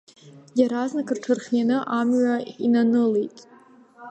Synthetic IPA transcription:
jaɾaznakʰʼɨrʈ͡ʂʰɨrχʲjanɨʔamɥainanɨlejtʼ

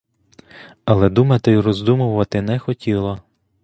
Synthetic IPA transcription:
ɐlˠɛd̪umɐt̪ɪrɔzd̪umʊʋɐt̪ɪnɛxɔtʲilˠɔ

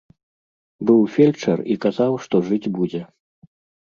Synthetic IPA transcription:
bɨwfʲelʲt͡ʂɐrikazawʂt̪ɔʐɨd͡zʲbud͡zʲɛ

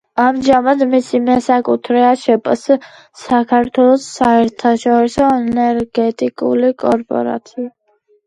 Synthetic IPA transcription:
amʒamad̪misimɛsakʼut̪ʰɾɛaʃɛpʼs | sːakʰaɾt̪ʰwɛlˠɔsːaɛɾt̪ʰaʃɔɾisɔɛnɛɾɡɛt̪ʼikʼṵlikʼɔɾpʼɔ̰ɾa̰t̪sʰia

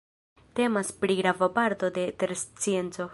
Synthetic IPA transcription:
te̞maspɾiɡɾavapaɾt̪o̞de̞t̪eɾst͡sie̞nt͡so̞

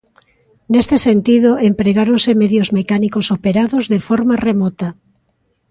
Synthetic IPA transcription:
nest̪esent̪iðoempɾeɣaɾonsemeðjozmekanikosopeɾaðozðefɔɾmaremɔt̪ɐ

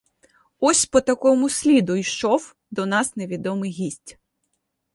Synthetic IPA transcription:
ɔsʲpɔt̪ɐkɔmʊsʲlʲid̪ʊjʃɔw | d̪ɔnɑsneʋʲid̪ɔmɪjɦʲisʲtʲ

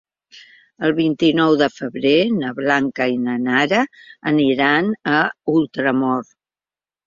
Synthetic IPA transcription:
əlˠβint̪inɔwðəfəβɾenəβlaŋkəinənaɾəːniɾanəulˠt̪ɾəmɔɾ

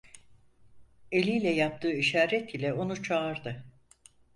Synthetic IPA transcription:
e̞lʲijlʲɛjap̚t̪ʰɯːiʃaːɾɛt̪ʰilʲɛo̞nut͡ʃʰaːɾd̪ɯ

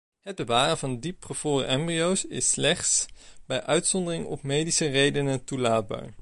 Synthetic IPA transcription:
ɦəd̚bəʋaːrənvɑndipχəv̥ʊːrə̰ʔɛmbriowsɪ̰slɛχtsb̥ɛjʔœɥtsɔndərɪŋɔ̰pmejdisərejdənətulaːd̚ba̰ːɹ

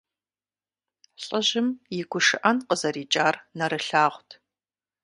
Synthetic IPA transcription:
ɕʼɐʑɪmjɪɡʷʊʂɨʔɐnqəzɐɾiːt͡ʃʼaːrnɐɾɨɬaːʁʷtʰ

